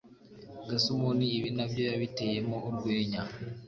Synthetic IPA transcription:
ɡasumuniːβinaβjo̞jaβite̞jemouɾɡweːɲa

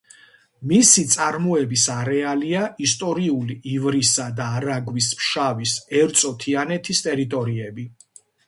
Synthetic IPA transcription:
misit̪sʼaɾmɔɛbisaɾɛaliaist̪ʼɔɾiuliivɾisad̪aːɾaɡwismʃavisɛɾt̪sʼɔt̪ʰianɛt̪ʰist̪ʼɛɾit̪ʼɔɾiɛbi

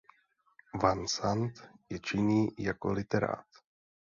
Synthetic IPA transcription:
vansant̪jɛt͡ʃɪɲiːjako̞lɪt̪ɛɾa̰ːt̪

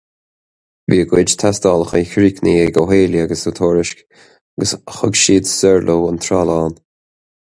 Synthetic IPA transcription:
viːəɡwɪd͡ʒt̪ʰasd̪ɑːləxəkʰɹiːkniːɛɡoɦeːljəaɡəsut̪ʰoːɾɪʃk | aɡəsxʊɡʃiːd̪sɛɹlʔowənt̪ʰɾaːlaːn

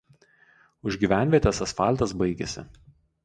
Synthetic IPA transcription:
ʊʒʲɡʲiːʋʲæˑnʲʋʲiɛt̪ʲɛsɐsfɑˑlʲt̪ɐsbɐɪɡʲɛ̰sʲɪ̰

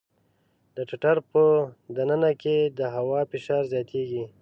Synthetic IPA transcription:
d̪əʈɪʈaɾpəd̪anənaked̪əɦawɑfɪʃɑɾzjɑt̪ʰeɡi

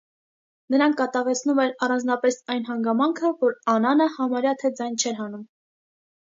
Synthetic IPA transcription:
nəɾɑŋkʰːɑt̪ɑvɛt͡sʰnumɛɾɑrɑnd͡znɑpɛsɑjnɦɑŋɡɑmɑŋkʰəvɔɾɑnɑnəhɑmɑɾjɑt̪ʰɛd͡zɑjnt͡ʃʰɛɾɦɑnum

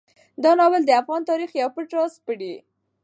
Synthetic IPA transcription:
d̪ɑnɑwɪld̪əafɣɑnt̪ɑɾixjawpəʈɾɑspəɽi

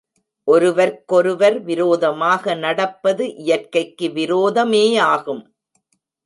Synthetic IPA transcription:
ʔɔɾɯʋɐɾkɔɾɯʋɐɾʋɪɾoːðɐmaːɣɐnɐɽɐpːɐðɯʔɪjɐrkɐɪkːɯʋɪɾoːðɐmeːaːɣɯm

